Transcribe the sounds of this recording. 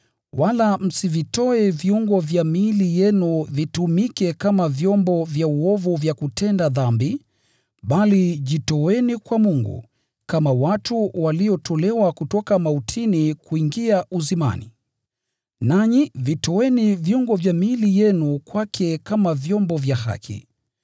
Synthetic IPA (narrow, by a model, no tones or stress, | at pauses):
walam̩sivitɔɛviuŋɡɔvjamilijɛnuvitumikɛkamavjɔmbɔvjauɔvuvjakutʰɛndaðambi | ɓaliʄitɔɛnikwamuŋɡṵ | kamawatuwaliɔtʰɔlɛwakutɔkamautʰinikuiŋɡiaʔuzima̰nḭ | naɲivitɔwɛnivjuŋɡɔvjamilijɛnukwakʰɛkamavjɔmbɔvjaɦa̰kʰḭ